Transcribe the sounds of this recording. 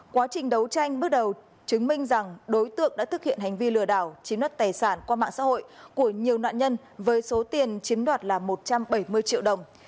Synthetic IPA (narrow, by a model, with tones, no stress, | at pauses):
kwaː˨˦t͡ɕï˨˩ŋ̟ɗə˨˦wt͡ɕa˧jŋ̟ɓɨ˦˥ək̚ɗə˨˩w | t͡ɕɨ˨˦ŋmï˧ŋ̟za˨˩ŋɗo˨˦jt̪ɨ̰˧˨əŋ̚ɗa̰ː˧˥t̪ʰɨ˦˥k̚hḭ˧˨ə˨nha˨˩jŋ̟vi˧lɨ˧˩əɗaː˧˩wt͡ɕi˨˦nɗwaː˧˥˩t̚t̪aː˨˩jsaː˧˩nkwaː˧ma̰ː˧˨ŋsa̰ː˧˥ho̰˧˨jku˧˩əɲi˨˩əwnwa̰ː˧˨nɲə˧n | vəː˨˦jso˨˦t̪i˨˩ənt͡ɕi˨˦mɗwaː˨˩t̚laː˨˩mo˨˩t̚t͡ɕa˧mɓə˧˩jmɨ˧əjt͡ɕḭ˧˨əwɗə˨˩wŋ͡m